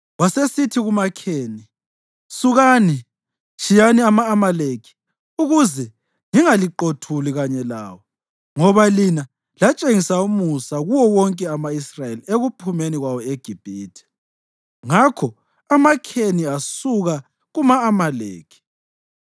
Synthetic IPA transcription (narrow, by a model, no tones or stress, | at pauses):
wasesitʰiɣumakʰeːni | suɣaːni | t͡ʃʰʼijaniamaːmalekʰi̥ | uɣuzɛ | ŋiŋaliǃotʰuliɣaɲɛla̰ːwɔ | ŋɔβalina | lat͡ʃʼeŋisaumusaɣuwɔwɔŋkʼɛamaisrajelieɣupʰumeniɣwawɔeɡ̥ʱib̥ʱiːtʰɛ̥ | ŋakʰɔ | amakʰeniasuɣa | ɣumaːmalḛːkʰi̥